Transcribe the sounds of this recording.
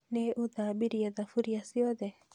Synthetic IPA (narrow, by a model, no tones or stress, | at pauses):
nɛʔuðabiɾijaðafuɾijasiɔðɛ